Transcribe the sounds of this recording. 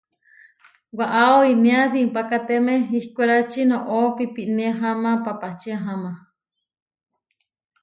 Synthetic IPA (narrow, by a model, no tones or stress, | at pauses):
waʔaoinẽasiimpakat̪emẽihkʷeɾat͡ʃinõʔopipiʔnẽɦamãpapat͡ʃiaɦama